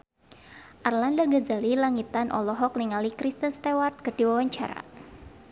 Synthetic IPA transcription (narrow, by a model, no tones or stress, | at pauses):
ʔarlandaɡazalilaŋit̪anʔɔ̰lɔɦɔk̚niŋalikɾist̪ənst̪ewart̪̚kərdiwawaɲt͡ʃa̰ɾa̰